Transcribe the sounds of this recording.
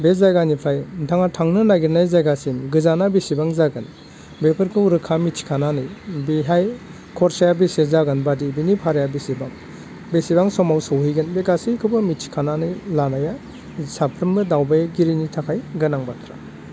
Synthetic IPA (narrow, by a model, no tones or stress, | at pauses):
bezajɡanipʰajntʰaŋatʰaŋnɯnaɡiɾnajzajɡasimɡɯzanabesibaŋzaɡɯn | bepʰɯɾkʰɯuɾɯkʰamit͡ʃʰi̥kʰananɯjbiɦaj | kʰɔɾsajabisezaɡɯnbadibinipʰaɾjabesibaŋ | besibaŋsɔmawsɯwɦijɡɯnbekasijkʰɯbɯmit͡ʃʰi̥kʰananɯjlanaja | sapʰɾɯmbɯdawbajɡiɾinitʰakʰajɡɯnaŋbat̪ʰɾa̰